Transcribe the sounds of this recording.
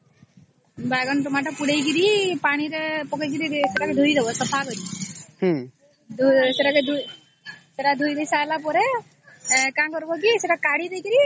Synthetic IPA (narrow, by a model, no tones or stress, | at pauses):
baɡɔnʈumaʈɔpuɽejk̬iɾipaɽ̃iɾepɔkajk̬iɾiseʈakɛd̪ʱuɾid̪ɛbɔsɔpʰakɔɾih | d̪useʈaked̪ʱu | seʈad̪ʱujd̪ejsalapɔɾe | kamkɔɾbɔkiseʈakaɽiɾejkiɾi